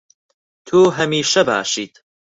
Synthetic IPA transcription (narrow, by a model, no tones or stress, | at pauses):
t̪ʰuːɦɐmiːʃɐba̰ːʃiːt̪